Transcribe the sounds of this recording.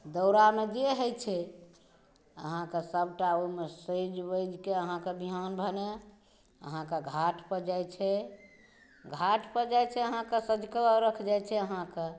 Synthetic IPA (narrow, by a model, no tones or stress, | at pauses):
d̪əʊɾamed͡ʒeɦəjt͡ʃʰɛ | ə̰ɦãkesəbʈaoimesəd͡ʒbəjd͡ʒkeəɦãkebʱiɦanbʱəne | ə̰ɦãkeɡʱaʈʰpəd͡ʒajt͡ʃʰɛ | ɡʱaʈʰpəd͡ʒajt͡ʃʰɛəɦãkesəd͡ʒkəəɾəkʰd͡ʒajt͡ʃʰɛəɦãke